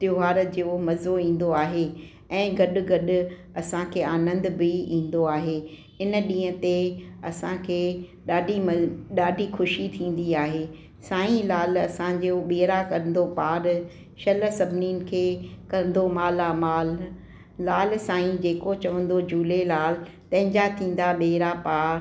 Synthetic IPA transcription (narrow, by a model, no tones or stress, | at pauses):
t̪jʊɦaːɾd͡ʑomɐzoĩːn̆d̪oaːɦe | ɛ̃ːɡɐɗʊ̆ɡɐɗʊ | ɐsãkʰeːaːnə̃nd̪biĩːn̆d̪oaːɦe | ɪn̆ɗĩːə̃̆t̪eɐsãkʰeːɗaːɖʱimɗaːɖʱixʊʃit̪ʰĩːn̆d̪iaːɦeː | saːĩlaːlɐsãd͡ʑoɓeːɾakɐɾn̆d̪opaːɾ | ʃɐləsɐbʱɪninɪ̆kʰeːkɐn̆d̪omaːlamaːlː | aːlsãːĩd͡ʑeːkot͡ɕɐʋə̃n̆d̪od͡ʑuːlelaːl | t̪ɐ̃ɦɪ̃ɲd͡ʑat̪ʰĩːn̆d̪aɓeːɾapaːɾ